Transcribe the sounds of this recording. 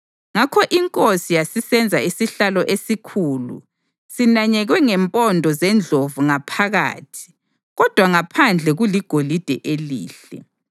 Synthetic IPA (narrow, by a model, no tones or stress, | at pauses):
ŋakʰɔʔiŋkʼosijasisɛnd͡zʱaisiɬalɔʔesikʰuːlṵ | sinaɲɛɣwɛŋɛmpʼɔndʱɔzɛnd͡ɮʱovuŋapʰaɣa̰ːtʰi̥ | ɣɔd̥ʱwaŋapʰand͡ɮʱɛɣuliɡ̥ʱolid̥ʱɛʔelḭːɬɛ̰